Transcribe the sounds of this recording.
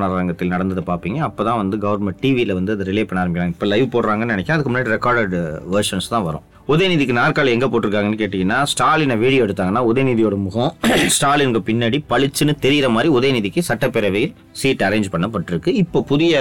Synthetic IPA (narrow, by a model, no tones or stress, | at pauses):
naɾɾɐŋɡɐt̪ːɪlnɐɽɐnd̪ɐðɯpaːɾpiːŋɡɐːpːoːt̪ãːʋɐnd̪ɯɡɐʋɐɾmɛɳʈ̚ʈiːʋilɐʋɐnd̪ɯɐðɯɾɪleːpɐɳːaːɾɐmbɪkːɐɾãːɪpːoːlɐɪʋɯpoːɽɾaːŋɡɐnːɯnɪnɛkʲːãɐðɯkːɯmʊnːaːɽiɾɛkaːɾɖɐɖʋɐɾʂɐnst̪ãːʋɐɾʊ̰̃ | ɔðeːniðɪkːɯnaːɾkaːlɛŋɡɐpoːʈːɪɾɯkːaːŋɡɐnːɯkeːʈːɪŋɡɐnːaːsʈaːɾlɪnɐʋiːɽɪjoːɛɽɯt̪ːaːŋɡɐnːaːɔðeːniðɪjoːɽɐmʊɣɐ̃sʈaːlɪnɡɐpɪnːaːɽipɐɭɪt͡ʃːɯnɯt̪ɛɾɪjɪɾɐmaːd̪ɾiɔðeːniðɪkːɯsɐʈːɐpːɛɾɐʋɛjɪl | siːʈːɐɾeːɲd͡ʒpɐɳːɐpːɐʈːɪɾɯkːɯɪpːoːpʊðɪjɐ